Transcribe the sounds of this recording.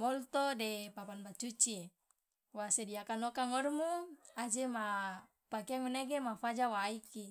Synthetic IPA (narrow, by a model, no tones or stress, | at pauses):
mɔlt̪odepapanbat͡ʃut͡ʃie | wasediakanokaŋɔɾmuad͡ʒema | pakeaŋuneɡemafad͡ʒawaiki